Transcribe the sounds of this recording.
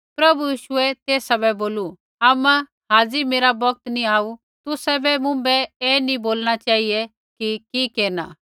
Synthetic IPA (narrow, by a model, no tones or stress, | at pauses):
pɾɐbujiːʃʊɛt̪eːsabɛboːlu | aːmɛ̃ | ɦãːd͡zimeːɾabɐɡ̚t̪nĩaːu | t̪ʊsɛbɛmʊ̃bɛeːnĩboːlñat͡ʃaːɦiɛ | kikikeːɾna̰ː